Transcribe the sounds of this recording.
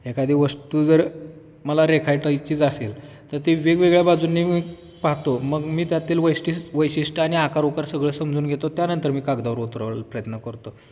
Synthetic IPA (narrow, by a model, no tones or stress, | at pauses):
ekad̪ʱiːʋəst̪uːd͡zəɾ | məlaɾekʰajʈəjt͡ɕiːd͡zasel | t̪əɾt̪iʋeɡʋeɡɭjabad͡zuːnːii | paɦt̪oməɡmiːt̪jat̪iːlʋəjsʈisʋəjɕisʈəaɽ̃iakaɾukaɾsəɡɭəːsəmd͡zuːnɡʱet̪ot̪janənt̪əɾmiːkaɡd̪aʋəɾot̪ɾʋpɾəjət̪nəkəɾt̪o